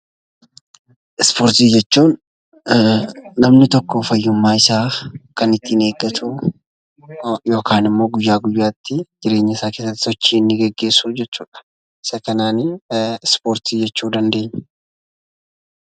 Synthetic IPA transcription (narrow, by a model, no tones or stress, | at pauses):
ʔɪspoːɾt̪iːd͡ʒɛt͡ʃːuːn | ɐmnɪt̪ɔkːɔfɐjːʊmːaːɪsaːkɐnɪt̪ːiːne̞ːɡɐt̪ʰu | jo̞ːkʰaːnɪmːo̞ːɡʊjːaːɡʊjːaːt̪ʰːɪd͡ʒɪɾe̞ːɲːɐɪsaːke̞ːsɐt̪ːɪ̥sɔt͡ʃːiːnːɪɡɛɡːe̞ːsːuːd͡ʒɛt͡ʃːuːᶑɐ̥ | ɪ̥sɐkɐnaːnɪspoːɾt̪iːd͡ʒɛt͡ʃːuːd̪ɐnd̪e̞ːɲː